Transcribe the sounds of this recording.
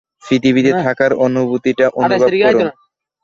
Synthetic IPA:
fid̪ibit̪et̪ʰakaɾonubut̪iʈaʔonubaɔɾun

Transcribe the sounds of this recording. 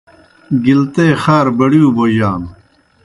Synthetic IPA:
ɡilt̪eːxaːɾbɐɽjuːboːjaːn

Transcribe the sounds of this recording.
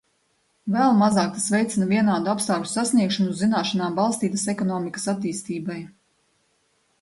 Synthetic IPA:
vɛlˠmazaːk̚t̪asvɛjt̪sinaviɛnaːd̪uapsaːku̥sasniɛkʃanuzinaːʃanaːmbalˠst̪iːt̪asɛkɔnɔːmikə̥sat̪ːiːst̪iːbaj

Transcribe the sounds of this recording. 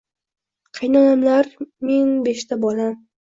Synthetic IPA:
qʰɨjnanamlaɾme̞nbeʃt̪ʰabɒla

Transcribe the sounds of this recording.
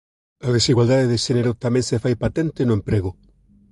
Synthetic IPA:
að̞esiɣwald̪aðeðɪʃeneɾʊt̪amɛ̃ŋsɪfajpat̪ɛnt̪ɪnʊempɾeɣʊ

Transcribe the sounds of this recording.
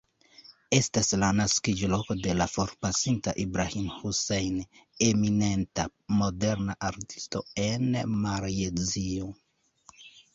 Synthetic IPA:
e̞staslanaskid͡ʒolo̞ko̞de̞lafo̞ɾpasintaʔibɾahimhusejnemine̞ntamo̞de̞ɾnaʔaɾti̥sto̞̰e̞nmaɾezio

